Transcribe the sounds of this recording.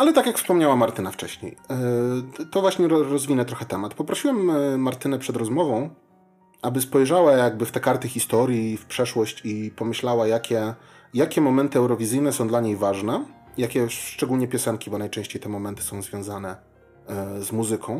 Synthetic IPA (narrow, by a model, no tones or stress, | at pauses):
alɛt̪akʲjakfspɔmɲawamaɾt̪ɘnaft͡ʂɛɕɲḛj | t̪ɔvwaɕɲɛɾɾɔzvʲinɛt̪ɾɔxɛt̪ɛmat̪pɔpɾɔɕiwɛmːaɾt̪ɘnɛpʂɛd̪ɾɔzmɔvɔ̃w̃ | ʔabɘspɔjʐawajaɡ̚bɘft̪ɛkaɾt̪ɘxʲist̪ɔɾʲjifpʂɛʂwɔɕt͡ɕipɔmɘɕlawajakʲɛ | jakʲɛmɔmɛnt̪ɘɛwɾɔvʲizɘjnɛsɔ̃w̃d̪laɲejvaʐnɛ | jakʲɛʂt͡ʂɛɡulɲɛpʲjɔsɛŋkʲibɔnajt͡ʂɛ̃ɕt͡ɕejt̪ɛmɔmɛnt̪ɘ̥sɔ̃w̃zvʲjɔ̃w̃zanɛ | zmuzɘkʰɔ̃w̃